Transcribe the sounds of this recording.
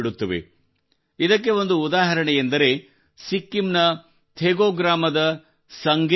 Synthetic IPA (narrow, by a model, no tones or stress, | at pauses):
iɽut̪ːɐʋḛ | id̪ɐk̬ːe̞o̞nd̪uːd̪aːɦɐɾɐɳejend̪ɐɾe̞ | sikːimnɐ | t̪ʰeːɡoːɡɾaːmɐd̪ɐ | sɐŋɡ